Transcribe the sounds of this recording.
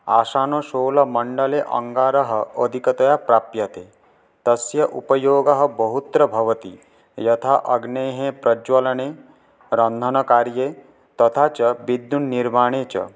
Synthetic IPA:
a̰ːʃaːnoʃoːlɐmɐɳɖɐleʔɐ̰ŋɡaːɾɐɦɐəd̪ʱikɐt̪ɐjapɾaːpjɐt̪e | t̪ɐsjɐʔupɐjoːɡɐɦɐ̆bɐɦut̪ɾɐbʱɐʋɐt̪i | jɐt̪ʰaʔɐɡneːɦẽpɾɐd͡ʒʋɐlɐɳeː | ɾɐnd̪ʱɐnɐkaːɾje | t̪ɐt̪ʰaːt͡ʃɐbid̪ːunːiɾmaːɳ̃eːt͡ʃɐ̰

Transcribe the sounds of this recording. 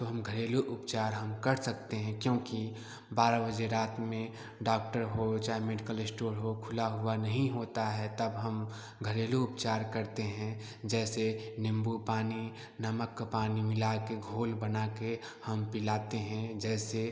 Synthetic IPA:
t̪oɦɐmɡʱəɾeːluʔʊpt͡ʃaːɾɦɐmkɐɾsək̚t̪eɦɛ̃kjõːki | baːɾabəd͡ʒeɾaːt̪mẽ | ɖaːk̚ʈəɾɦot͡ʃaːemeɖɪkəlɪsʈoːɾɦokʰʊlaɦʊanɐɦĩɦoːt̪aɦɛt̪ɐbɦəm | ɡʱəɾeːluʊpt͡ʃaːɾkɐɾt̪eɦɛ̃ | d͡ʒɛːsenɪ̃mbupaːni | nɐməkpaːnimɪlakeɡʱoːlbənaːke | hɐmpɪlaːt̪eɦɛ̃d͡ʒɛːse

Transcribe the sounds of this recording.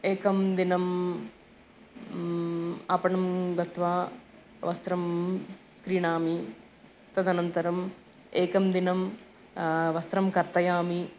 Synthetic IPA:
eːkɐmd̪inɐm | ɐpɐɳɐmɡ̪ɐt̪ʋaː | ʋɐst̪ɾɐm | kɾiːɳaːmi | t̪ɐd̪ɐnɐnt̪ɐɾɐm | eːkɐmd̪inɐm | ʋɐst̪ɾɐmkɐɾt̪ɐjaːmi

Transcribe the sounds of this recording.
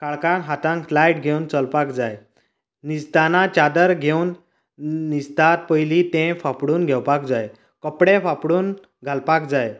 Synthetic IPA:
kaɭkãnɦat̪ãŋkflajʈ̚ɡʱewnt͡səlpakd͡zaj | nist̪anat͡ɕad̪əɾɡʱewnː | ist̪at̪̚pəjlit̪ẽfapɽuːnɡʱɛwpakd͡zaj | kəpɽẽfapɽuːn | ɡʱalpakd͡zaj

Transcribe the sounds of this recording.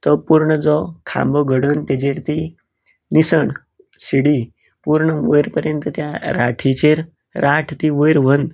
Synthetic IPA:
t̪əpuɾɳəd͡zɔkʰã̰mbɔɡʱəɽənt̪ed͡ʑeɾt̪i | nisəɳ | ɕiɽi | puɾɳəʋəjɾpəɾjənt̪ət̪jaɾaʈʰit͡ɕeɾ | ɾaʈʰt̪iʋəjɾʋənd̪

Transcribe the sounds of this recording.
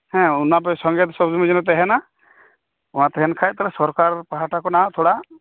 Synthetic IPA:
hɛ̃unap̬ɛsɔŋɡat̪sɔbd͡ʒɔmid͡ʒinɔt̪̬ɛɦɛna | uãt̪ɛɦɛnkʰajt̪alɛsɔɾkaɾpaɦaʈakɔnat̪ʰoɽa

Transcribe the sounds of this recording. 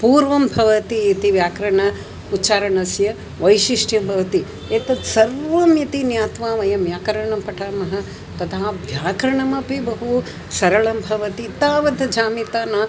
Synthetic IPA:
puːɾʋɐmbʱɐʋɐt̪iet̪iʋjaːkɾɐɳɐ | utːt͡ʃaːɾɐɳɐsjɐ | ʋɐjʃiʂʈjɐmbʱɐʋɐt̪i | eːt̪ɐd̪sɐɾʋɐmjɐt̪injaːt̪ʋaːʋɐjɐmjaːkɐɾɐɳɐmpɐʈʰaːmɐɦɐ | t̪ɐd̪aːʋjaːkɾɐɳɐmɐpibɐɦu | sɐɾɐɭɐmbʱɐʋɐt̪it̪aːʋɐd̪ɐd͡ʒaːmit̪aːnaː

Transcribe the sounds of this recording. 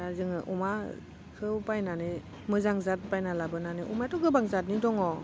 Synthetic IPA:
azɯŋɯʔuma | kʰɯwpajnane | mɯzaŋzat̚pajnalabɯnaneʔumatɔɡɯbaŋzat̚nidɔŋɔ

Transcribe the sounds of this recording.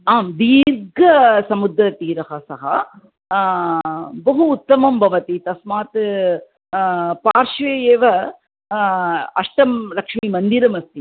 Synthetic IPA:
aːmd̪iːɾɡɐsɐmud̪ɾɐt̪iːɾɐhɐsɐɦɐ | bɐɦuːt̪ːɐmɐmbʱɐʋɐt̪it̪ɐsmaːt̪ | paːɾʂʋeːjeːʋɐ | ɐʂʈɐmlɐkʂmimɐnd̪iɾɐmɐst̪i

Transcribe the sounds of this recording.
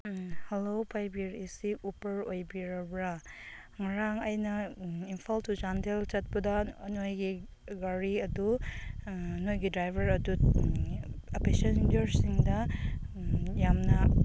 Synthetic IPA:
helopʰajbiɾisiupɐɾojbiɾɐbɾɐ | ŋɐɾaŋɐjnɐinpʰaltud͡ʒantʰelt͡ʃɐt̚pɐdɐnojɡi | ɡɐɾiɐdu | nojɡidɾajbʱɐɾɐdu | ɐpesendeɾsiŋdɐ | jamnɐ

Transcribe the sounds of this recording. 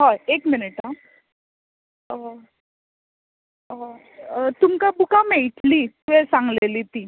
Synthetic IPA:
ɦaekminiʈa | t̪umkabukameɭʈlit̪uʋesãŋɡleliːt̪iː

